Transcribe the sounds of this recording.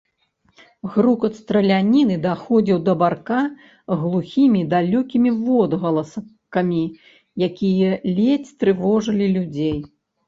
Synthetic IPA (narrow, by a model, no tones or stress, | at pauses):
ɣɾukɐt̪st̪ɾɐlʲanʲinɨd̪axɔd͡zʲiwd̪ɐbarka | ɣlˠuxʲimʲid̪alʲɔkʲimʲivɔd̪ɣɐlˠɐs | kɐmʲi | jakʲijɐlʲet͡sʲt̪ɾɨvɔʐɐlʲilʲud͡zʲej